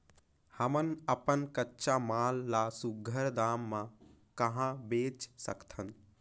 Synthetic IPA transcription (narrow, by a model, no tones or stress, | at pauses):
həmənəpənkətːʃamaːlːasuɡʱəɾd̪aːmːã | kəɦãbeːt͡ʃsə̰kt̪ʰən